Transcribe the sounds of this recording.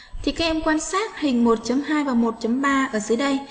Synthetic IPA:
t̪ʰi˨˩kaː˦˥ʔɛ˧mkwaː˧nsaː˦˥t̚hï˨˩ŋ̟mo˨˩t̚t͡ɕə˨˦mhaː˧jvaː˨˩mo˨˩t̚t͡ɕə˨˦mɓaː˧ʔəː˧˩zɨ˨˦jɗə˧j

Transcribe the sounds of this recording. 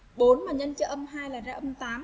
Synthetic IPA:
ɓo˨˦nmaː˨˩ɲə˧nt͡ɕɔ˧ʔə˧mɦaː˧jlaː˨˩zaː˧ʔə˧mt̪aː˨˦m

